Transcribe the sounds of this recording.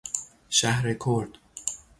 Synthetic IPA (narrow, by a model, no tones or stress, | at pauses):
ʃæhɾekʰoɾd̪̥